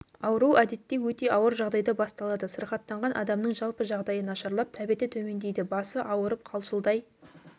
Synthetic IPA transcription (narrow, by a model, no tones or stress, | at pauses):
ɑwəɾuwæd̪e̞t̪ːe̞wɵt̪e̞ɑwəɾʒɑʁd̪ɑjd̪ɑbɑst̪ɑlˠɑd̪əsəɾχɑt̪ːɑɴʁɑnʔɑ̰d̪ɑmnəɴʒɑlˠpəʒɑʁd̪ɑjənɑʃɑɾlˠɑp̚t̪ʰæbet̪ɪt̪ʰɵme̞nd̪e̞jd̪ɪbɑsəʔɑwəɾəp̚qʰɑlˠʃəlˠd̪ɑj